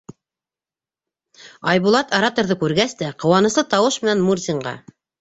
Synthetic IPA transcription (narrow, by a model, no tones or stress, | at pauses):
ɑjβulˠɑt̪ɑɾat̪ŏɾðɤkʉɾɡæst̪æqɤ̆wɑnɤ̆slˠɤt̪ɑwɤʃmɘ̆nænmurzʲiɴɢɑ̰